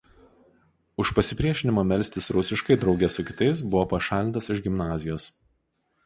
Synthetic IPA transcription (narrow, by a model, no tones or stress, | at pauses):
ʊʃpɐsʲɪpʲɾʲiɛʃʲɪnʲɪmaːmʲɛlʲsʲt̪ʲɪsɾʊsʲɪʃkɐɪd̪ɾɒʊɡʲɛsʊkʲɪ̥t̪ɐɪs̬bʊʋoːpɐʃɑːlʲɪnt̪ɐsɪʒɡʲɪmnɑːzʲɪjoːs